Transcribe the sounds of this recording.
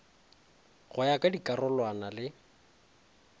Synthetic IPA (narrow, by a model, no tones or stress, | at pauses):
ɣʊjakʼadikʼarɔlwanalɪ